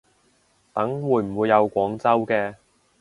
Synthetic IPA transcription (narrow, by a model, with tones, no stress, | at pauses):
t̪ɐ˨˥ŋwuː˨˧jm̩˨˩wuː˨˧jːɐ˨˧wkʷɔː˨˥ŋt͡sɐ˥wkɛː˧